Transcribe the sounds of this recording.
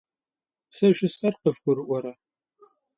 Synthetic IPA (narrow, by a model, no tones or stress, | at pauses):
sɐʒɪsɐrqəfɡʷʊɾɨʔʷɔɾɐ